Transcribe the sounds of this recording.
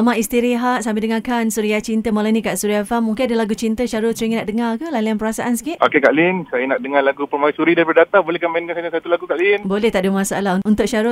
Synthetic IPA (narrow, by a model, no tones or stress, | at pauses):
amaist̪iɾiɦaʔsambɪldəŋakansuɾiat͡ʃint̪əmalanĩkaʔsuɾiafamːuŋkɪ̃nadəlaɡut͡ʃint̪əʃaɾʊsəɾiŋanaʔdəŋarkəlalianpəɾasaʔansə̥kiʔʔokekaʔlinsajanaʔ̚dəŋalaɡupərmaisuɾidaipədat̪abolɛhkamainkansad͡ʒasat̪ulaɡukaʔlinbolɛht̪aʔdumasa̰alaɦuunt̪ʊʔ̚ʃaɾʊ